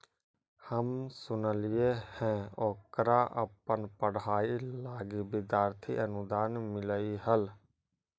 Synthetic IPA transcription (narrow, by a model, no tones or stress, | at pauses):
həmsʊnəlɪjehɛ̃ːoːkɾaʔə̰pənpəɽ̤aːilaːɡibɪd̪jaːɾt̪ʰḭʔənʊd̪aːnmɪləiɦəl